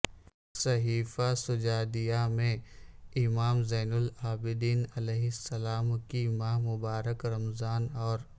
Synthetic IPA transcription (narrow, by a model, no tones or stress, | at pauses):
sɐɦiːfasʊd͡ʒaːd̪ijamẽɪmaːmzɛːnʊlaːbɪd̪iːnɐlɛːɦɪsːɐlaːmkimaːɦmʊbaːɾəkɾɐmzaːnɔːɾ